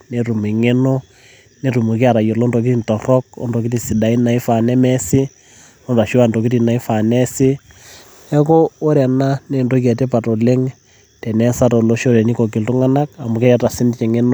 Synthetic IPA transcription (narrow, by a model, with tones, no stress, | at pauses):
ne˦ɾu˨mi˨ŋe˦no˦ | ne˦ɾu˨mu˨ki˦a˨ɾa˨jo˨lo˦ndo˨k̬i˦ti˦ntɔ˨rɔ˦k̚o̰˦ndɔ˨k̬i˦ti˨si˨da˨i˦na˨i˦fa˨nɛ˦mɛ˦si˦ | lo˦nda˨ʃu˦a˦˨ndo˨ki˦ti˨na˨i˦fa˨nɛ˦sɪ˦ | ɛ˦koː˦ɾɛ˨na˦ne˦˨ndo˦k̬ɛ˨te˦pa˨to˨le˦ŋ | tɛ˨nɛ˦sa˦to˨lo˨˦ʃo˦ɾɛ˨ni˦ko˨k̬i˨ltu˦ŋa˦na˦ka˨mu˨kɛ˦ɾa˨ta˨si˦ndi˦t͡ʃɛ˨ŋe˦no˦